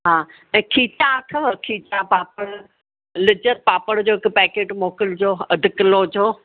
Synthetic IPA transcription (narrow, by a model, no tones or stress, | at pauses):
ɦãː | ɛ̃ːkʰiːt͡ɕakʰɐʋəkʰiːt͡ɕapaːpəɽ | lɪd͡ʑəɾ̚paːpəɽd͡ʑoːɪkʊpɛːkeːʈmoːkɪld͡ʑoːɐd̪ʱɪkɪloːd͡ʑoː